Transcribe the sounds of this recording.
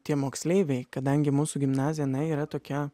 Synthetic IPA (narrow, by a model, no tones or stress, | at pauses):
t̪ʲiɛmoːksʲlʲeːʋʲɛɪkɐd̪ɐŋʲɡʲɪmuːsʊɡʲɪmnɑːzʲɪjnɐɪiːɾɐt̪oːkʲɛ